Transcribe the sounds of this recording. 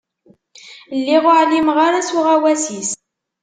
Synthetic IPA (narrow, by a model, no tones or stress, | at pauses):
lːiʁʊʕlimʁaɾasʊʁawæsis